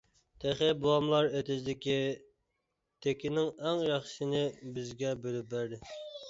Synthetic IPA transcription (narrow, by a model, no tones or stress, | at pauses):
t̪ʰæχɪbulˠɑmlˠɑɾet̪ɪzd̪ɪkʲi | t̪ʰekʲɪnɪŋæŋjɑχʃɨnɪbɪzɡʲɛbølyp̚bæɾd̪ɪ